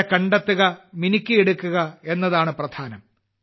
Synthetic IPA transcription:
kɐɳɖɐt̪ːuɣɐminikʲːɨeɽukːuɣɐe̞nːɐðaːɳɨprɐd̪ʱaːnɐm

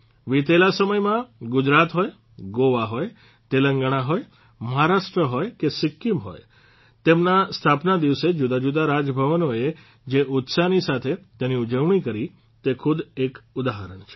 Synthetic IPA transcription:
ʋit̪elasəməjmãɡʊd͡ʒɾat̪ɦoj | ɡoʋaɦoj | t̪eləŋɡəɽ̃aɦoj | məɦaɾaʃʈɾəɦojkesɪkːumɦo̰j | t̪emnast̪ʰapnad̪iʋsed͡ʒud̪ad͡ʒud̪aɾad͡ʒəbʱəʋənoe | d͡ʒeʔʊt̪sanisat̪ʰet̪eniud͡ʒəʋɳ̃ikəɾi | t̪ekʰʊd̪ekʊd̪aɦəɾəɳt͡ʃʰe̥

